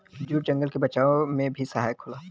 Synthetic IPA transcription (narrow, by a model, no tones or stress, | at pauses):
d͡ʒuːʈd͡ʒə̃ŋɡəlkebɐt͡ʃaːõmẽbʱisəɦaːjkʰʊlaː